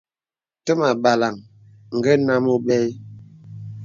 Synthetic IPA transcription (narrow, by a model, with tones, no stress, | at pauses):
tə˦ma˨ba˨la˨ŋ | ŋ̩˨ɡɛ˦na˦mo˦ɓɛ˦